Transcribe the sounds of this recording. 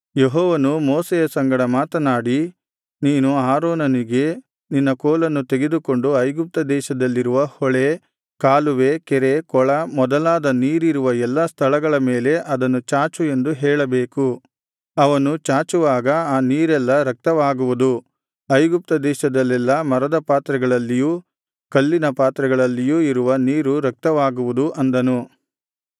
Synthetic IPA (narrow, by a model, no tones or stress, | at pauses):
jeɦɔːʋɐnumoːsejɐsɐŋɡɐɽɐmaːt̪ɐnaːɽi | niːnuaːɾoːnɐniɡe̞ | ninːɐkoːlɐnːut̪eɡe̞d̪uko̞ɳɖuɐjɡup̚t̪ɐd̪ɛːʃɐd̪ɐlːiɾuʋɐhɔɭe | kaːluʋekɛɾekɔɭɐmɔd̪ɐlaːd̪ɐniːɾiɾuʋɐɛlːɐst̪ʰɐɭɐɡɐɭɐmeːle̞ʔɐd̪ɐnːut͡ʃaːt͡ʃue̞nd̪uɦɛːɭɐbeːku | ɐʋɐnut͡ʃaːt͡ʃuʋaːɡɐaːniːɾɛlːɐɾɐk̚t̪ɐʋaːɡuʋud̪u | ɐjɡup̚t̪ɐd̪ɛːʃɐd̪ɐlːɛlːɐmɐɾɐd̪ɐpaːt̪ɾɐɡɐɭɐlːijuː | kɐlːinɐpaːt̪ɾɐɡɐɭɐlːijuːiɾuʋɐniːɾuɾɐk̚t̪ɐʋaːɡuʋud̪uʔɐnd̪ɐnu